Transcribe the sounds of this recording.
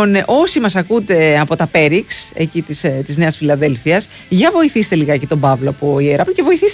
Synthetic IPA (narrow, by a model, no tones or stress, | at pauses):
oneʔo̞simɐsɐkud̪e̞ɐpo̞t̪ɐpe̞ɾikse̞̰cit̪ist̪izne̞ɐsfilɐðe̞lfiɐs | ʝɐvo̞iθist̪e̞liɣɐecit̪o̞bɐvloɐpo̞ieɾɐploce̞vo̞iθis